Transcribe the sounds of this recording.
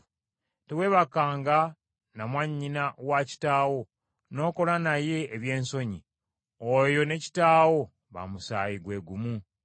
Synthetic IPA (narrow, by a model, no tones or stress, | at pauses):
tewe̞βakːaːŋɡa | namwaɲːinawaci̥taːwo̞ | no̞ːko̞lanaje̞ːβje̞ːnso̞ɲi | ojo̞ne̞ci̥taːwo̞ | βa̰musa̰ːjiɡwe̞ɡumu